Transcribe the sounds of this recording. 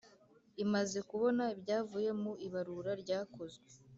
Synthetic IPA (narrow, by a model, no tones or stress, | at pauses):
imaze̞kuβo̞naibɟaːvuːje̞muiβaɾuːɾaɾɟaːko̞zɡwwe